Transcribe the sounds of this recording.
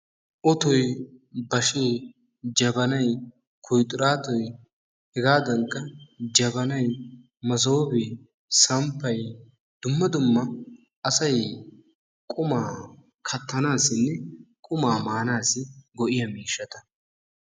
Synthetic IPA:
ʔɔt̪ɔjbɐʃeː | d͡ʒɐbɐnɐj | kʰʊjt̪ʼʊɾaːt̪ɔj | hɛɡaːd̪ɐŋkːɐd͡ʒɐbɐnɐj | mɐzoːbɛ | sɐmpːɐj | d̪̥ʊmːɐd̪ʊmːɐ | ɐsɐj | kʼʊmaː | kʰɐt̪ʰːɐnaːsːɪnːɛkʼʊmaːmaːnaːsɪɡɔʔɪjɐmiːʃːɐt̪ɐ̥

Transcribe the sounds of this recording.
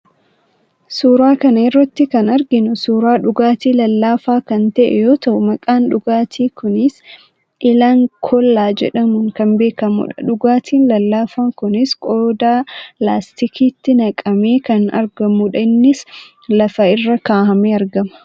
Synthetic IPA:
suːɾaːkɐnɐɪrːɐt̪ːɪkɐnɐɾɡɪnʊsuːɾaːᶑʊɡaːt̪iːlɐlːaːfaːkɐnt̪ɐʔɛ̰jo̞ːt̪ɐʔʊmɐkʼaːnᶑʊɡaːt̪ʰiːkʊnɪs | ʔɪlaːŋkʰɔlːaːd͡ʒɛ̰ᶑɐmʊŋkɐnbe̞ːkɐmṵːᶑɐ̰ᶑʊɡaːt̪ʰiːnlɐlːaːfaːkʊnɪskʼoːd̪aːlaːst̪ɪkʰiːt̪ːɪnɐkʼɐme̞ːkɐnɐ̰ɾɡɐmuᶑɐɪnːɪs | lɐfɐɪrːɐkaːhɐmeːɐɾɡɐmɐ̥

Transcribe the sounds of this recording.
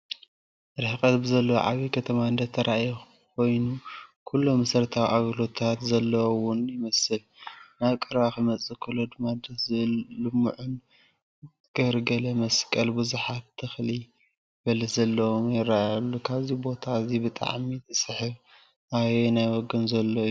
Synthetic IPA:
ɾɨħɨkʼɐt̪bɨzɐlːɐ̰ʕa̰βikʰɐt̪ʰɐmaɨnd̪ɐt̪ʰːɐɾʔajix | kʰo̞jnukʰulːomɐsɐɾt̪ʰawiʔaɡlo̞t̪ʰat̪zɐlːɐwʊnjɪmɐsɨl | naβkʼɨɾaxɨmɐt͡sʼɨkʰɨlod̪ɨmːad̪ɐzɨlɨmṵʕʊn | ɡ̥ɐɾɡɐlɐmɐskʼɐlbɨzuħat̪ʰːɨxli | bɐlɐzɐlːɐwomjɪrajalːukʰaβzibo̞t̪ʰazibɨt̪ʼa̰ʕmit̪ʼɨsɨħɨβ | ajenajwoɡɐnzɐlːo

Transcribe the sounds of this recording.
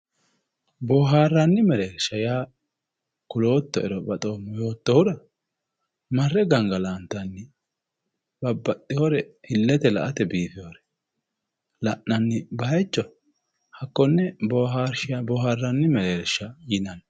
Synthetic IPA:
boːɦaːrːanːɪmɛɾeːɾʃɐjaː | kʊlo̞ːt̪ːɔɛɾɔbɐt̪ʼo̞ːmːɔjo̞ːt̪ːɔhʊɾɐ | mɐrːɛɡɐŋɡɐlaːnt̪ːɐnːɪ | b̥ɐbːɐt̪ʼːɪhoɾɛhɪlːɛt̪ɛlɐ̰ʔɐt̪ɛbiːfɪjoːɾɛ̥ | lɐʔnɐnːɪbɐɐjt͡ʃːɔ | hɐkːɔnːɛboːɦaːɾʃɪjabɔːhaːrːanːɪmɛɾeːɾʃɐjɪnɐn

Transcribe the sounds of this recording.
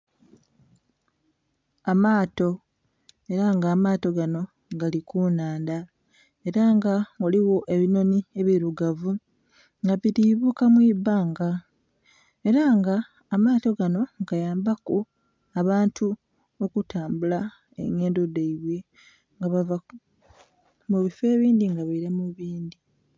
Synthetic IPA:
amaːto̞ | e̞ɾaŋɡaːmaːto̞ɡano̞ | ɡalikunaːnda | e̞ɾaŋɡaoliwo̞ʔe̞βino̞nie̞βiɾuɡavu | ŋɡaβiɾiβukamwiːbaːŋɡa | e̞ɾaŋɡaː | maːto̞ɡano̞ɡ̥ajaːmbaku | aβaːntʰu | o̞kutaːmbula | ḛŋe̞ːndo̞deiβwe | ŋɡaβava | muβife̞ːβiːndiŋɡaβaiɾamuβiːnd̪i

